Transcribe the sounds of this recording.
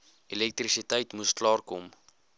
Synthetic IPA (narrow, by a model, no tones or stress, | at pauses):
ilɛk̚trisitəjtmusklɑːrkɔm